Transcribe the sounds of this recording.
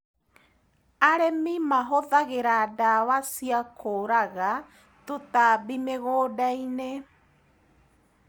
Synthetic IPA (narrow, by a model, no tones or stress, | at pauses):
aɾemimaɦɔðaɣeɾaːdawasiakoːɾaɣa | totabimeɣodaine